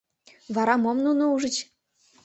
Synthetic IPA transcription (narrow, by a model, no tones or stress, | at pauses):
vɑɾɑmomnunouʒə̆t͡ɕ